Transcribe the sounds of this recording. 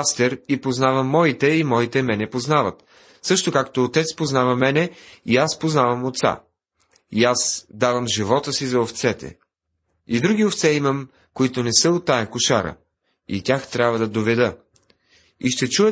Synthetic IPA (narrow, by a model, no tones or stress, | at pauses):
st̪ɛɾipoznavəmːɔit̪ɛimɔit̪ɛmɛnɛpoznavət̪ | sɤʃt̪okakt̪oːt̪ɛt̪spoznavɐmɛnɛiaspoznavɐmot̪sa̰ | iasd̪avɐmʒivɔt̪əsizɐoft̪sɛt̪ɛ̰ | id̪ɾuɡʲioft̪sɛimɐm | koit̪onɛsəot̪ːajɐkʊʃaɾə̰ | ḭtʲaxt̪ɾʲabvɐd̪ɐd̪ovɛd̪ə | iʃt̪ɛt͡ʃuɛ